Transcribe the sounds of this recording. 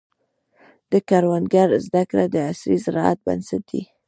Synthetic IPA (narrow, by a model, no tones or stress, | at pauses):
d̪̥əkaɾwand̪ɡaɾzd̪akɾad̪əasɾizɾɑa̰t̪̚ba̰nsat̪̚d̪ḭ